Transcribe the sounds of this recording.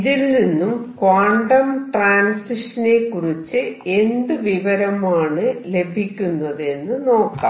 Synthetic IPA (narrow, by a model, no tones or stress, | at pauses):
ðilninːumkaːɳɖɐmʈraːnsiʂɐne̞kːurit͡ɕːɨe̞nd̪ɨʋiʋɐɾɐmaːɳɨle̞bʱikʲːunːɐðe̞nːɨno̞ːkːa̰ː